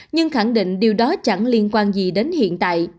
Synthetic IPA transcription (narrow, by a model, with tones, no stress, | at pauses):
ɲɨ˧ŋxa˧˩ŋɗḭ̈˧˨ŋ̟ɗi˨˩əwɗɔ˨˦t͡ɕa˧˩ŋli˧ənkwaː˧nzi˨˩ɗe˨˦nhḭ˧˨ənt̪a̰ː˧˨j